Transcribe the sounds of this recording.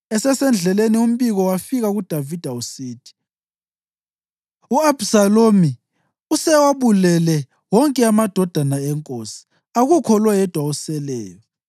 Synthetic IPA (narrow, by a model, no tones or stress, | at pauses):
ɛsɛsɛnd͡ɮʱɛlenium̩βiɣɔwafiɣaɣud̥ʱavid̥ʱausiːtʰʼi̥ | uab̥salomi | usɛwaβulɛlɛ | wɔŋkʼɛamad̥ʱɔd̥ʱanaɛŋkʼosi̥ | aɣukʰɔlwɛjɛd̥ʱwausɛlɛ̰ːjɔ